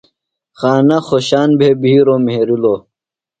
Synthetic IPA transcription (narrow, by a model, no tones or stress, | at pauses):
xaːnaxoɕaːnbʱeːbʱiːɾomeɾiloː